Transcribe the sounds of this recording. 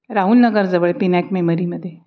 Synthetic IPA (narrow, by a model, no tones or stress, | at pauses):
ɾaɦuːlnəɡəɾd͡zəʋəɭpinɛkmeməɾiːməd̪ʱːje